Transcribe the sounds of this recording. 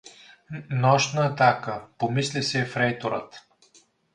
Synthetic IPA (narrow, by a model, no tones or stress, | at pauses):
nɔʃnəɛt̪akəpomislisɛfɾɛjt̪oɾə̰t̪